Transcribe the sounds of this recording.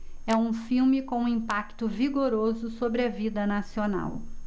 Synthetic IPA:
ɛũfiwmɪkõw̃ũĩmpakt̪ʊviɡoɾozʊsobɾɪɐvid̪ɐnasiona̰w

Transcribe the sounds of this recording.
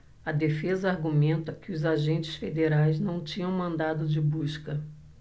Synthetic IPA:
ɐd̪efezɐaɾɡumẽnt̪ɐkɪʊzaʒẽnt͡ʃɪ̥sfed̪eɾajznɐ̃w̃t͡ʃĩɲɐ̃w̃mɐ̃nd̪ad̪ʊd͡ʒɪbuʃkɐ

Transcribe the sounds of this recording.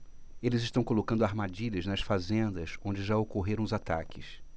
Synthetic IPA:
elɪzɪʃt̪ɐ̃w̃kolokɐ̃nd̪ʊaɾmad͡ʒiʎɐznɐsfazẽnd̪ɐsõd͡ʒɪʒaokoɦeɾɐ̃w̃ʊzat̪a̰kɪs

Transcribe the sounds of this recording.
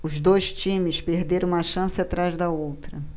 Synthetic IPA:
ʊzd̪ojʃt͡ʃĩmɪspehd̪eɾɐ̃ũmɐʃɐ̃sɪat̪ɾazd̪ɐowt̪ɾɐ

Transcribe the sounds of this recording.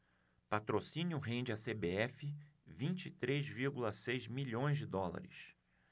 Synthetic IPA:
pat̪ɾosĩnjʊɦẽnd͡ʒɪasebeɛfɪvĩnt͡ʃit̪ɾezviɾɡulɐsejzmiʎõj̃zd͡ʒɪd̪ɔla̰ɾɪ̰s

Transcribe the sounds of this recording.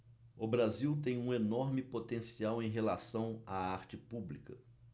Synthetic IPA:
ʊbɾaziwt̪ẽj̃ũenoɾmɪpot̪ẽsiawẽj̃ɦelasɐ̃w̃aaɾt͡ʃɪpublikɐ

